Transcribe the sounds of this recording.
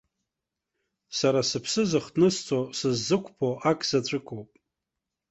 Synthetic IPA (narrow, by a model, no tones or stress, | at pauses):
saɾasɨpʰsɨzɨχdnɨst͡sʼosɨzːɨkʷʰʼpʰoʔakʼz̥at͡ɕʷʰʼʊkʼowpʼ